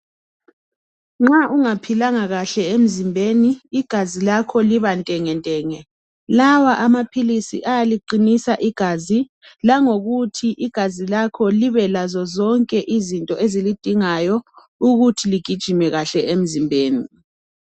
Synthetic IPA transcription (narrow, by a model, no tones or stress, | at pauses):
ŋ͡ǁaʔuŋapʰilaŋaɣaɬɛem̩zimbʱeniːɡ̥ʱazilakʰɔliβantʼɛŋɛntʼɛːŋɛ | lawaʔamapʰilisḭʔajaliǃinisaʔiɡ̥ʱazi | laŋoɣutʰiʔiɡ̥ʱazilakʰɔliβɛlazɔzɔŋkʼɛʔizintʼɔʔezilid̥ʱiŋajɔ | uɣutʰiliɡ̥ʱid̥ʒ̥ʱimɛɣaɬɛem̩zimbʱeːni